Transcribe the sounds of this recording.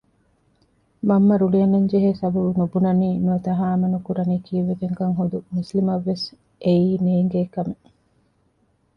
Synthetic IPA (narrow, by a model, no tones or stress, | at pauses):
mɐmːɐɾuliɐnɐɲd͡ʒeɦeːsɐbɐbunubunɐniːnuɐt̪ɐɦaːmɐnukuɾɐniːkiːʋefeŋkɐŋɦod̪umuslimɐʋːes | ʔeiːneːŋɡeːkɐme